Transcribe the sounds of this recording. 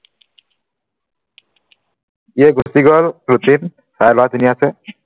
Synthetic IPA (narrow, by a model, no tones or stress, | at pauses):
iɛɡosiɡɔlɾut̪in | sajlat̪iniasɛ